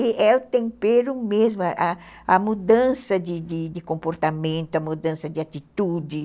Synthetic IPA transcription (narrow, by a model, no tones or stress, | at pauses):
ɪɛʊt̪ẽmpeɾʊmezmʊaʔa | ɐmud̪ɐ̃sɐd̪ɪd̪ɪd̪ɪkõmpoɾt̪amẽnt̪ʊɐmud̪ɐ̃sɐd̪ɪat̪it̪ud̪ɪ